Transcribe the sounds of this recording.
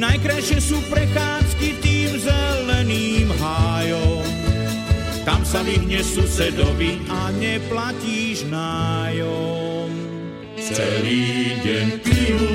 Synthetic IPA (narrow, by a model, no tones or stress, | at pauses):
najkɾajʃɪɛsuːpɾɛxaːskit̪iːmzɛlɛniːmɦajɔm | t̪amsavidɲɛsusɛd̪ɔvi | aɲɛplaciːʒnaːjɔ | m | t͡sɛɾiːɟɛɲi